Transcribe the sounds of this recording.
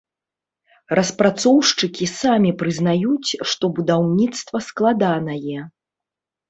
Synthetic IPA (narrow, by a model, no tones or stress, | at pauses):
rɐspɾat̪sɔwʂt͡ʂɨkʲisamʲipɾɨznajut͡sʲʂt̪ɔbud̪awnʲit̪st̪vɐsklˠad̪anɐjɛ